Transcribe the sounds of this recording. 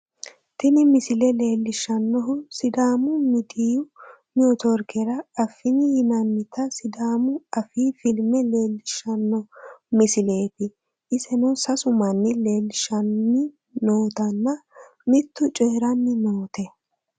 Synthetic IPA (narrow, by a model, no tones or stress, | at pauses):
t̪ɪnɪmɪsɪlɛle̞ːlːɪʃɐnːɔɦʊsɪd̪aːmʊmɪd̪iːjʊ | nɪɔt̪ɔɾkɛɾɐɐfːɪnɪjɪnɐnːɪt̪ɐsɪd̪aːmʊɐfiːfɪlmɛle̞ːlːɪʃːɐnːɔmɪsɪle̞ːt̪ɪ | ʔɪsɛnɔsɐsʊmɐnːɪle̞ːlːɪʃɐnːɪ | no̞ːt̪ɐnːɐ | mɪt̪ːʊt͡ʃʼeːɾɐnːɪnoːt̪ɛ